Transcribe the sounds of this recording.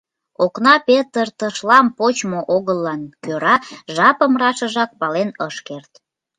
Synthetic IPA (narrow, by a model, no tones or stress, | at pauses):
oknɑpet̪ərt̪əʃlɑmpot͡ɕmoʔoɣəlːɑnkøɾɑʒɑpəmrɑʃəʒɑk̚pɑlenəʃkert̪